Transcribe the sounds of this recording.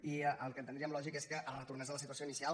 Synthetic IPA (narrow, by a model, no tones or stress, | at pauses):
iəʔəlˠkənt̪ənd̪ɾiəmlɔʒikeskəʔələt̪urnɛzəðələsit̪uəsjoinisia